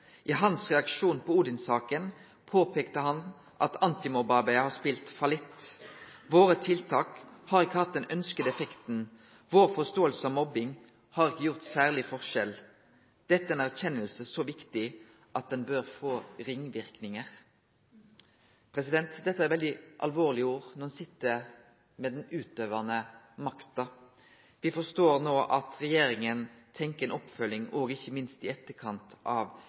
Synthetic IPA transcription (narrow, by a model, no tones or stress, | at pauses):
ʔɪɦɑnsʁɛɑkʃuːnpʰɔuːd̪ɪnsɑːkən | pʰoːpʰeːkt̪əhɑn | ʔɑt̪ɑnt̪ɪmʊbɑːbɪhɑspiːlt̪fɑlɪt̪ː | ʋoːʁət̪ʰɪlt̪ʰɑːkhɑːʁɪkːəhɑt̪̚d̪ɛnœnskəd̪əɛfɛkt̪n | ʋoːʁfɔst̪oːəlsəɑʋmɔbɪŋ | hɑːʁɪkːəjʊʁt̪sæːʁlɪfɔʁʃɛl | d̪̥ɛt̪ːəɛːnæʁçɛnːəlsəsoʋɪkt̪ɪ | ʔɑt̪̚d̪ɛnbøʁfoːɾɪŋʋɪʁknɪŋəʁ | pʰɾɛsɪd̪ɛnt̪d̪ɛt̪ːəæɾʋɛld̪ɪʔɑ̰lʋoːʁlɪuːʁnɔʁɛnsɪt̪ːə | meːd̪ɛnʉːt̪øːʋənə | mɑkt̪ɑ | ʋɪfɔʁst̪oːʁnoːʔɑt̪ʁɛjeːɾɪŋənt̪ʰɛŋkəɛːnʔɔpfœlɪŋɔːɡɪçəmɪnst̪ɪɛt̪ːəkʰɑnt̪ʰʔɑːʋ